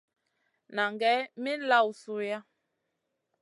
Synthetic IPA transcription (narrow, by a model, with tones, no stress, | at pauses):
na˨ŋɡɛ˨˦mi˦la˦˨wsu˦ja˦